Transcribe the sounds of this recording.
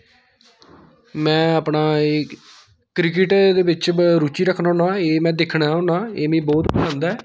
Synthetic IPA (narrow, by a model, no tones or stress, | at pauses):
mɛ̃ːəpnaːeː | kɾɪk̬ɪʈd̪eːbɪt͡ʃɾuːt͡ʃiːɾəkʰːnaːɦʊnãːeːmɛ̃ːd̪ekʰːɳaːʊnaːeːmĩːbɔːt̪pələ̃nd̪ɛː